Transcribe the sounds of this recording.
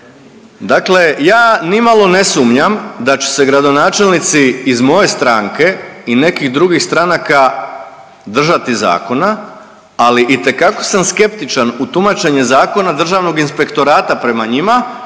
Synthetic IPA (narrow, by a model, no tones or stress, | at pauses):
d̪akle̞jaːnimalˠo̞ne̞sumɲamd̪at͡ɕu̥se̞ɡɾad̪o̞naːt͡ʃe̞lnit̪siːzmo̞je̞st̪ɾaŋke̞ine̞kiɣd̪ɾuɡixst̪ɾanaka | d̪r̩ʒat̪iza̰ːko̞na | aliʔit̪e̞kako̞̥samske̞pt̪it͡ʃanut̪umat͡ʃe̞ɲezaːko̞nad̪r̩ʒaʋno̞ɡinspe̞kt̪o̞ɾaːt̪apɾe̞maɲima